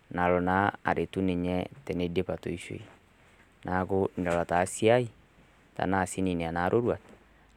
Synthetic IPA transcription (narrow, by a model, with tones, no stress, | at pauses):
na˨lɔ˨na˦a̰˨ɾʔe˨tu˦ne˨ɲɛ˦tɛ˨ne˦de˦pa˨to˨i˦ʃo̰˨i˨ | nʔa˨ko˦ni˨dɔ˨la˨ta˨si˦a˦i˦ | ta̰˨na˨si˦ni˨ne˨a˨na˨˦ɾʔo˦ɾwa˨t